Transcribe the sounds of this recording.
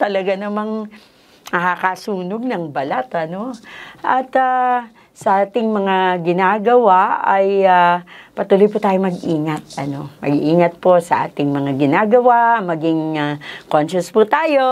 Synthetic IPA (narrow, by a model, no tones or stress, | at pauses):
t̪ɐlɐɡanɐmaŋ | nɐkakasuːnoɡ̚nɐŋbɐlat̪ɐno̞ʔɐt̪a | sɐʔaːt̪ɪŋmɐŋaɡɪnaːɡɐwaʔɐjapɐt̪uːlojput̪aːjomɐɡʔiːŋɐt̪̚ɐno̞mɐ̰ɡʔiːŋɐt̪̚po̞sɐʔa̰ːt̪ɪŋmɐŋaɡɪnaːɡɐwamɐɡɪŋakonʃʊsput̪aːjo̞